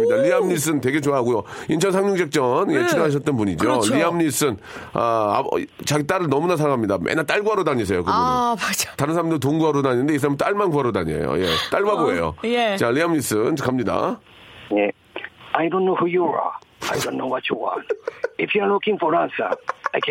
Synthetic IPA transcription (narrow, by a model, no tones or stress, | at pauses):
idaliamɲis̬͈ɯnte̞ɡe̞t͡ɕoaɦaɡujoint͡ɕʰʌnsʰaŋɲuŋd͡ʑek̚t͡ɕ͈ʌnjet͡ɕʰinɯɦaɕ̬ʰʌt̚t͈ʌnpuɲid͡ʑoliamɲis͈ɯn | aa̰t͡ɕaɡit͈aɾɯɭnʌmunasʰaɾaŋʰamɲidamʔḛnat͈aɭɡuɦaɾodaɲis̬ʰejokɯbumad͡ʑtaɾɯnsʰaɾamdɯit̬oŋɡuɦaɾodaɲinɯnde̞is̬ʰamnt͈aɭmanɡuɦaɾotaɲiḛjo̰jḛt͈aɭbaboḛjo̰t͡ɕaʎiamɲis͈ɯnkʰamɲida̰ | je | ajdonːohujoɾa̰ajdonːowat͡ɕʰuwa̰nepʰianokʰĩŋfoɾansa̰ajkʰ